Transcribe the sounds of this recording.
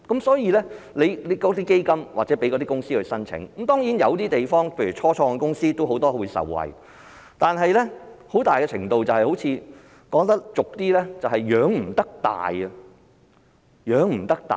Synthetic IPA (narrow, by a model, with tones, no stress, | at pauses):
kɐ˨˥msɔː˨˥jiː˧lɛ˥ | le˨˧jle˨˧jkɔː˨˥t̪iː˥ke˥jkɐ˥mwaː˨˩t͡sɛː˨˥pe˨˥jkɔː˨˧t̪iː˥kʊ˥ŋsiː˥hɵ˨˧sɐ˥nt͡sʰɪ̰˨˥ŋ˧˥mt̪ɔː˥ŋjiː˨˥njɐ˨˧wt̪iː˥t̪e˨jfɔː˥ŋpʰe˧jɥy˨˩t͡ʃʰɔː˥t͡ʃʰɔː˧ŋɛ˧kʊ˥ŋsiː˥t̪o˥wɦo˨˥wt̪ɔː˥wu˨˧jsɐ̰˨˩wːɐ̰˨j | t̪aː˨nɦɐ˨jlɛ˥ho˨˥wt̪aː˨jkɛ˧t͡sʰɪ̰˨˩ŋt̪o˧wt͡sɐ˨whɐ˨jho˨˥wt͡sʰiː˧ | kɔː˨˧ŋt̪ɐ˥k̚t͡sʊ˨k̚t̪iː˥lɛː˥t͡sɐ˨whɐ˨jːœː˨˧˥ŋm̩˨˩t̪ɐ˥k̚t̪a̰ː˨jɐ˧ | jœː˨˧ŋm̩˨˩t̪ɐ˥k̚t̪a̰ː˨